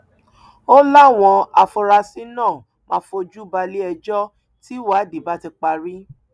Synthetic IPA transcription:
o˦la˦˨w̃ɔ̃˧a˧fɔ˧ɾa˧si˦nãː˦˨ | mã˨˧˦fo˧d͡ʒu˦ba˧li˦ɛ˧d͡ʒɔ˦ | ti˦wa˦di˨ba˦ti˧k͡pa˧ɾi˦

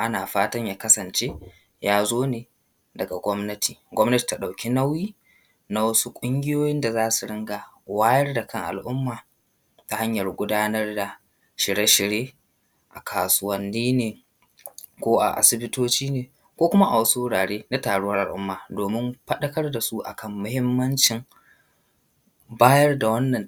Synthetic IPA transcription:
ʔa˦naː˨ɸaː˦tɐ˦ɲjaː˨˦kɐ˦sɐ˨nt͡ʃe˦ | jaː˦zoː˦neː˨ | dɐ˨ɡa˨ɡʷɔ˦mnɐ˦tiː˨ɡʷɔ˦mnɐ˦ti̥˨ta˨ɗa˨wkʲi˦na˦wjiː˦ | na˦wɐ˦su˦kʷʼʊ˦ŋɡʲɪ˦joː˦jɪ˦nda˨zaː˦su˨ɽɪ˦ŋɡa˨ | waː˦jɐ˦rda˨kʰɐ˦˨ŋʔa̰˨lʔʊ˦mːaː˨ | ta˨ha˦ɲjɐ˨rɡʷʊ˦daː˦nɐ˦rda˨ | ʃɪ˨ɽe˦ʃɪ˨ɽjeː˦ | ʔa˨kʰaː˨sʊ˦wɐ˦nːiː˦neː˨ | kʷoː˦ʔa̰˨ʔa̰˨sɪ˦bɪ˦toː˦t͡ʃiː˦neː˨ | kʷoː˦kʷʊ˦ma˦ʔa˨wɐ˦su˦wʊ˦ɽaː˨ɽeː˦na˦taː˨ɽʊ˦wɐ˦rʔa˨lʔʊ̰˦mːaː˨doː˨mɪ˦mɸɐ˦ɗɐ˦kɐ˦rda˨su˦ʔa̰˨kʰɐ˦˨mːʊ˦hɪ˦mːɐ˦nt͡ʃɪ˨ŋ | baː˦jɐ˦rda˨wɐ˦nːɐ˨n

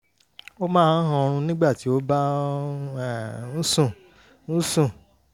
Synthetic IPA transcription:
o˦mãː˦˧n˦ɦã˧ɾ̃ũ˧nĩ˦ɡ͡ba˦˨ti˨˦o˦ba˦˨ | ñ̩˦sũ˦˨ | ñ̩˦sũ˦˨

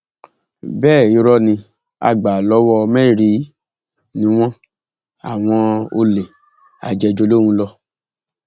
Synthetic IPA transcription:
bɛː˦˨i˧ɾɔ˧nĩ˧ | a̰˧ɡ͡ba˨lɔ˨˦wɔ˧mɛ̃˦˨ɾi˨˦ | nĩ˧˦w̃ɔ̃˦ | a˨w̃ɔ̃˧o˧le˨ | a̰˨d͡ʒɛ˧d͡ʒo˧lo˦ɾ̃ũ˧lɔ˧

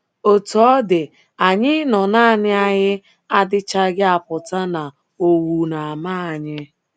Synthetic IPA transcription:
o˨tu˨ɔ˦dɪ˨ | a˨ɲɪ˦nɔ˨na˦a˨nɪ˦a˦ɲɪ˦ | a˦dɪ˦t͡ʃa˦ɡɪ˦a˨pʊ˨ta˦na˨ | o˨wu˨na˨a˨ma˦a˨ɲɪ˦

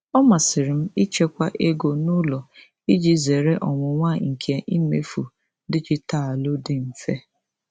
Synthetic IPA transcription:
ɔ˦ma˨sɪ˨ɾɪ˨m̩˦i˦t͡ʃe˦kʷa˦ʔe˦ɡo˨nʊ˦lɔ˨ | i˦d͡ʒi˦ze˨ɾe˦ʔɔ˨ŋʷʊ˨ŋʷa˦ŋ̩˨kʰe˨ʔi˦mḛ˦fṵ˨ | dɪ˦t͡ʃɪ˦ta˦˨a˨lʊ˦dɪ˦m̩˨fe˦

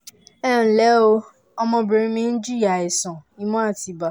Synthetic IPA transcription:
ɛ˦˨n̩˨lɛ˨˦o˧ | ɔ˧mɔ̃˧be˨ɾĩ˧˦mĩ˦n̩˦d͡ʒi˦a˨e˨sɔ̃˨i˦mɔ̃˦a˦˨ti˨ba˨

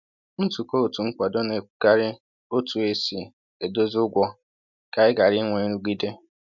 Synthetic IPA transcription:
n̩˦tu˨ko˦˨tu˨ŋ̩˦kʷa˨dɔ˦ne˨ɡa˦ɾɪ˦ | o˦tu˨e˦si˨ | e˨do˦zʊ˦ɡʷɔ˦ | ka˨ɪ˦ɡa˨ɾɪ˦ŋʷe˨˦ɾu˦ɡi˦de˦

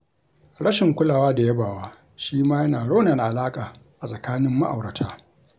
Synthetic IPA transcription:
ɽɐ˦ʃɪ˨ŋkʷʊ˦laː˨waː˦da˨ja˦baː˨waː˦ | ʃiː˦maː˦jɐ˦naː˨ɽo˦na˨na˨ʔa˨laː˦kʼaː˨ | ʔa˨sʼɐ˨kaː˦nɪ˦mːa˦ʔa˨wɽɐ˨tʰaː˦

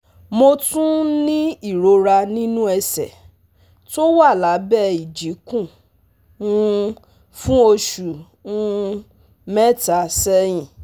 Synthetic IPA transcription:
mo˧tũ˦nĩ˦i˦˨ɾo˨˧ɾa˧nĩ˦nũ˦ɛ˧sɛ̰˨ | to˦wa˦˨la˨˦bɛ˦i˨d͡ʒi˨˦kũ˦˨ | ũ˦ | fũ˦o˧ʃu˨ | ũ˦ | mɛ˦ta˧sɛ˦j̃ĩ˦˨

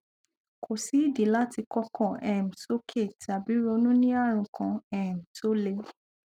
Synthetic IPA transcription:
kʰo˨si˨˦i˦˨di˨˦la˦ti˧kɔ˦kɔ̃˨ɛ˨m̩˨so˦kʰe˦˨ta˨bi˨˦ɾo˧nũ˦nĩ˦a˦˨ɾ̃ũ˨kʰã˧ɛ˨m̩˨to˦le˧˦

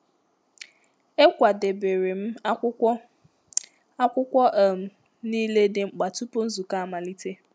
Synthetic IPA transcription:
e˦kʷa˨de˨be˨ɾe˨m̩˦ | a˦kʷʊ˦kʷɔ˦ʔm̩˨ | niː˦le˦dɪ˨ŋ͡m̩˨k͡pa˨tu˦po˦n̩˦zu˨ka˦a˦ma˨li˦te˦

